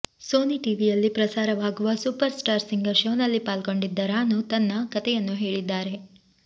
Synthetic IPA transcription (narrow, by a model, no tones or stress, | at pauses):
soːniʈiːʋijɐlːipɾɐsaːɾɐʋaːɡuʋɐsupɐɾsʈaːɾsiŋɡɐɾʃoːnɐlːipaːlko̞ɳɖid̪ːɐɾaːnːut̪ɐnːɐkɐt̪ɛjɐnːuɦe̞ːɭid̪ːaːɾe